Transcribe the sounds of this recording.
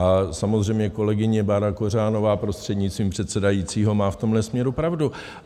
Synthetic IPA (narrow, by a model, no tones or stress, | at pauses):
ʔasamozr̝ɛjmɲɛko̞lɛɡɪɲɛbaɾakor̝aːno̞vaːpɾo̞st̪r̥ɛd̪ɲɪt͡sst̪viːmpr̝̥ɛt̪sɛdajiːt͡siːɦo̞maːft̪o̞mlɛsmɲɛɾupɾavdu